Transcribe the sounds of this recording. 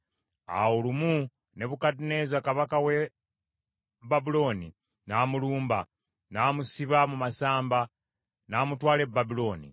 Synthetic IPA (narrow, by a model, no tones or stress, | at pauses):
a̰wolumu | ne̞βukatineːzakaβakawe | babilo̞ːnḭ | naːmuluːmba | namusiβamumasaːmba | naːmutwaːle̞babilo̞ːnḭ